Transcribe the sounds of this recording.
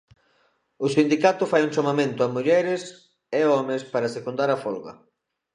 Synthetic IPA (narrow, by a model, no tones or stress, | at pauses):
ʊsind̪ikat̪ʊfajuŋʃomamẽnt̪ʊamuʎɛɾɪs | eɔmespaɾasekund̪aɾɐfɔlɣɐ̰